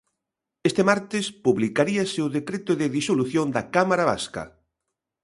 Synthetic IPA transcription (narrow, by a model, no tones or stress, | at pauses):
est̪emaɾt̪ɪspuβlikaɾiasewðekɾet̪ʊðɪðisoluθjond̪ɐkamaɾaβa̰skɐ̰